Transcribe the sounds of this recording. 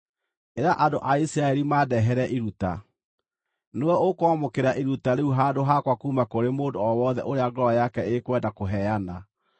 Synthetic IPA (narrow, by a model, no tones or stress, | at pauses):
eɾaʔando̰ʔaisiɾaɛɾimadɛɦɛɾɛʔiɾuta̰ | newɛokɔmokeɾaʔiɾutaɾeuɦadoɦakwakumakoɾemoːndoɔwɔðɛ̰ʔoɾeaɡɔɾajakɛekwɛdakoɦɛana